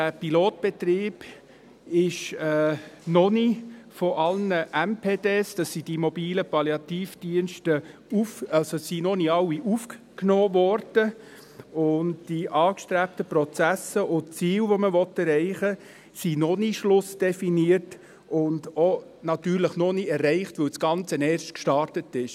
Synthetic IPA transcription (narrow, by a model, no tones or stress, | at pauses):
dæːpiloːt̚b̥ɛtɾiːb̥ | ɪʃɛːnɔnifɔʔɑlnəʔɛmpʰeːdeːsd̥ɑsːid̥imɔbiːləpɑljɑt̪iːfd̥iənʃtəufɑlsosinɔniɑwːiʔufk | knoːvɔɾd̥ə | ʊndd̥iʔɑːkʃtɾæp̚təpɾɔt͡sæsəʊntt͡siːwʋoməʋɔtːɛɾɛɪχə | sinɔniʃlʊsd̥ɛfiniəɾt | ʊndonɑt̪yːɾləχnɔniɛrːɛɪχtʋɵwsɡ̥ɑnt͡sənɛːɾʃtkʃtɑɾtətɪʃ